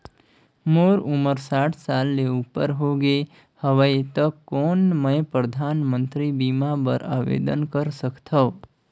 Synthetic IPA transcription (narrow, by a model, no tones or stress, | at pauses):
moɾuməɾsaːʈʰsalːeupəɾɦoɡe | həʋəjt̪əkkːoːnməjpɾəd̪ʱaːnmə̃nt̪ɾibimabəɾaʋḛd̪ənkəɾsəkt̪ʰəː